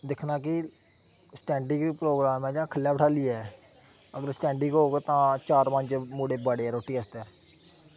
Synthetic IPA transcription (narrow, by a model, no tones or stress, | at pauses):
d̪ɪkʰnaːkɪ | sʈɛ̃ːɳɖɪŋɡpɾoːɡɾaːmɛ̃ːd͡ʒãːkʰəljaːbəʈʰaːliːɛː | əɡəɾsʈɛ̃ːɳɖɪ̃ŋɡɦoːɡet̪ãːt͡ʃaːɾpə̃ɲt͡ʃmuːɽeːbaːɽeɛːɾoːʈiːəst̪ɛː